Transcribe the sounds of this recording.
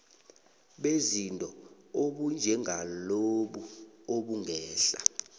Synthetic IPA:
ɓezintʼɔ | oɓund͡ʒʱɛŋaloɓuoɓuŋʱɛːɬa̰

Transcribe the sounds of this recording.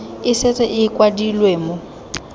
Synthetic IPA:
ɪsɛt͡sʼɛʔɪkʼwadilweːmo

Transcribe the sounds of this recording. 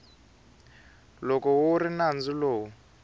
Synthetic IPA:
lɔkɔwuɾinand͡ziloːwu

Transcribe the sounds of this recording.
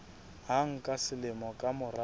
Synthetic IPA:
ɦaŋ̩kʼasɪlɪmɔkʼamʊra

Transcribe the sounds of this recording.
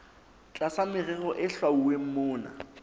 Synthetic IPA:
t͡ɬʼasamɪrɛɣɔʔɪɬwauwem̩mʊːna̰

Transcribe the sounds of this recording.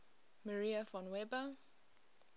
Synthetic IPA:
məɹiəfɔ̃nwɛbə

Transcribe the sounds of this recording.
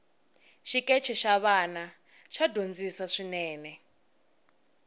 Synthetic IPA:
ʃikɛt͡ʃʰɛʃaβana | ʃadʱond͡zisaʂinɛːnɛ

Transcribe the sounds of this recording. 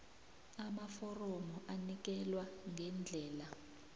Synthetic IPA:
amafɔrɔmɔʔanik̬ɛlwaŋɡʱɛnd͡ɮʱɛːla

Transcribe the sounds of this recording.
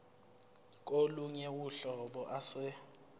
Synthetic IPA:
kʼoluɲɛwuɬɔɓɔʔasɪ

